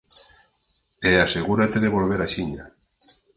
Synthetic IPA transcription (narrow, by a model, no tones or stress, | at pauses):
easeɣuɾat̪eðeβolβ̞eɾaʃiɲa̰